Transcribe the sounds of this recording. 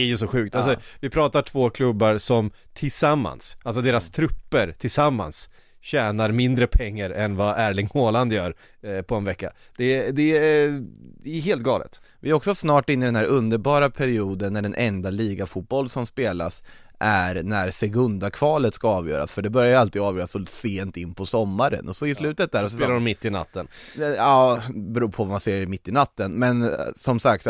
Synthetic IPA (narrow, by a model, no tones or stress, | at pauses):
æjɵsɔɧʉ̟ːk̚t̪als̬ɔvɪpʰɾɑːt̪aʈʰv̥oːkʰlɵbːaɾsɔm | t̪ʰɪlsamːa̰nsʔalsɔd̪eːɾast̪ʰɾɵpːəɾt̪ʰɪlsamːa̰ns | ɕɛːnaɾmɪnd̪ɾəpʰɛŋːaɾɛnvaʔæːɭɪŋoːland̪jœːɾ | pʰɔɛnvɛkːa̰d̪̥ɛd̪ɛ | ɛɦeːlt̪ɡɑ̰ːlə̰t̪vɪæɾɔksɔsnɑːʈɪnːɪd̪ɛnhæɾʔɵnd̪əɾbɑːɾapʰæɾɪuːd̪ənːæɖɛnʔɛnd̪aliːɡafuːt̪̚bɔlːsɔmspeːla̰s | ʔæɾnæɾsɛɡɵnd̪akʰvɑːlət̪skaɑːvjœ̰ːɾa̰sfœɖɛbœɾjajəalt̪ɪɑːvjœːɾasɔseːnt̪ɪnːpʰɔsɔmːaɾə̰nʔɔsɔɪslʉ̟ːt̪ət̪̚d̪æːɾɔsːlaɾɔmɪt̪ːɪna̰t̪ʰːən | ɛɑːbɛɾuːpʰɔvamanseːɛmɪt̪ːɪnat̪ːənmɛnsɔmsak̚t̪